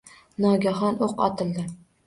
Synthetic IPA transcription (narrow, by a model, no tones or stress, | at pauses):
nɒɡʲaɦɒnoqɒ̰t̪ʰɪlˠd̪ɪ